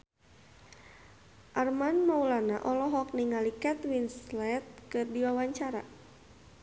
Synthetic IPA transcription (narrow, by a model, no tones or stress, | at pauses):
ʔarmanmaulana̰ʔɔlɔɦɔk̚niŋalikɛt̪winslɛt̪̚kɨrdiwawaɲt͡ʃaɾa̰